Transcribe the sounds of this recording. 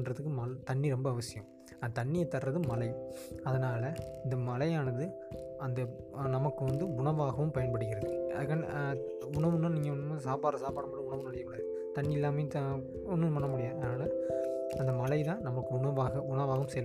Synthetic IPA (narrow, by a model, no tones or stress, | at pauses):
ndrɐðɯkːɯmɐlt̪ɐɳːiɾɔmbɐːʋɐsɪjɐ̰̃m | ɐnɐt̪ɐɳːɪjɐt̪ːɐrɾɐðɯmɐlɐɪɐðɐnaːlɐɪnd̪ɐmɐlɐjaːnɐðɯ | ɐnd̪ɐnɐmɐkːɯʋɐnd̪ɯʊɳɐʋaːɣɐʋɯmpɐjɐnpɐɽɯkʲːɪɾɐðɯɐ̰ðɯkːaːɳɖ̰ | ʊɳɐʋɯnɐ̃niːŋɡɐʊnːɯmːsaːpaːɾɐsaːpaːɽɐmpɐɽʊɳɐʋɯnɐlɐjɐkːɐɽɐðɯ | t̪ɐɳːiɪlːaːmɐj̃t̪ɐ | ɔnːɯpɐɳːɐmʊɽɪjaːɐðnaːlɐɐnd̪ɐmɐlɐɪt̪ãːnɐmɐkːɯʊɳɐʋaːɣɐʊɳɐʋaːɣɐɯmsɛjɐl